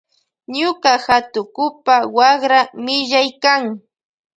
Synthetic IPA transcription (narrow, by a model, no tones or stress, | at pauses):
ɲʊkahat̪ʊkʊpawɑχɾamɪʎajkaŋ